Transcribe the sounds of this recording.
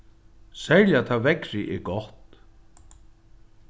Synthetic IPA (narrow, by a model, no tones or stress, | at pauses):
sɛɾjat̪ʰavɛkɾɪʔɛɡɔht̪